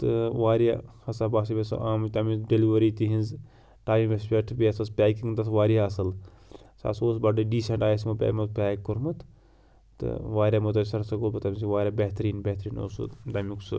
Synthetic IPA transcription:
t̪ɨʋaːɾjahɐsabaːsibʲesʔaːmt̪ɐmiɖeliʋɐɾiːt̪iɦinz | ʈaːmimespʲeʈʰbʲiɐsɐspʲaːkiŋɡd̪ɐsʋaːɾiaɐsɐl | sa̰soːs̬bɐɖɨɖiːseɳʈaːjs̬mɐpʲa̰ːmɐzpʲaːkkːoɾmɨt̪ | t̪ɨ̰ʋaːɾʲjaːmɐt̪ɐsɐɾsɐɡoːlbɨt̪ɐms̬iʋaːɾʲabeɦt̪ɐɾiːnbeht̪ɾiːno̰ːsṵt̪ɐmiksɨ̰

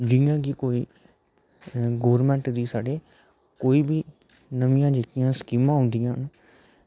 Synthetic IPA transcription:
d͡ʒɪjãːkikoːiː | ɡoːɾmɛ̃ːɳʈd̪iːsaːɖeː | koːiːbiː | nəmɪjãːd͡ʒeːkɪjãːskiːmãːɦʊ̃nd̪ɪjãːn

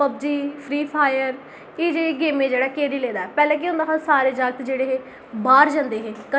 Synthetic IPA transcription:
pəb̚d͡ʒiːpʰɾiːpʰaːjəɾ | eːd͡ʒeːɽeːɡeːmẽːd͡ʒeːɽaːkeːɾiːleːd̪aːɛːpɛːlẽːk̬iʊ̃nd̪aːkʰaːsaːɾeːd͡ʒaɡət̪d͡ʒeːɽeːɦeː | baːɾd͡ʒãnd̪eːɦeːkə

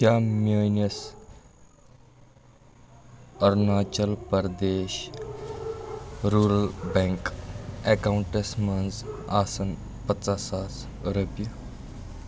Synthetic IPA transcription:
amjənəs | əɾnaːt͡ʃəlpəɾd̪eːɕ | ɾuːɾəlbɛ̃ŋkekawɳʈesmɐnzaːsɐn | pət͡sasaːs | ɾupjɐ

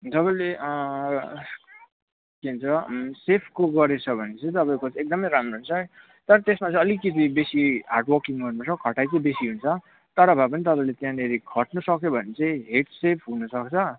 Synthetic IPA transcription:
t̪ʌpãĩleʔʌ | keɦunt͡sʰʌsepʰkoɡʌɾet͡sʰʌbʱʌnet͡sʌ̃j̃t̪ʌpãĩj̃kot͡sek̚d̪ʌmʌjɾamroɦunt͡sʰʌ | t̪ʌɾʌt̪esmat͡sʌj̃ʌlikːit̪ibesiɦa̰rʈwʌkiŋʌɾnat͡sʰʌkʰʌʈajkʌbesiɦunt͡sʰʌ | t̪ʌɾʌbʱap̬ʌnit̪ʌpãĩlet̪jãneɾikʰʌʈnusʌkjobʱʌnet͡sãĩɦeʈsepʰɦunʌsʌkt͡sʰʌ

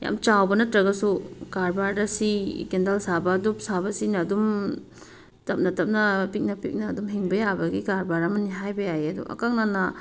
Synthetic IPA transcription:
ja̰mt͡ʃawbɐnɐtɾɐɡɐsuɡaɾbaɾdɐsikendɐlsabɐdup̚sabɐsinɐdum | tɐp̚nɐtɐp̚nɐpik̚nɐpik̚nɐːdumɦiŋbɐjabɐɡikaɾbaɾɐmɐniɦajbɐjajɐdṵʔɐ̰kaŋnanɐ

